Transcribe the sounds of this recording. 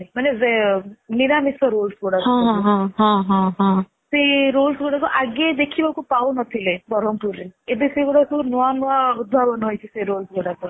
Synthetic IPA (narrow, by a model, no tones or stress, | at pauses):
imanezeniɾamisɔɾolsɡɔɽakɔɦãɦãɦãɦã | seɾolsɡɔɽakuʔaɡed̪ekʰibakupawnɔt̪ʰilebɔɾɔmpuɾeebeseɡoɽakunɔanɔaud̪bʱabɔnɦojt͡ʃʰiseɾolsɡɔɽaku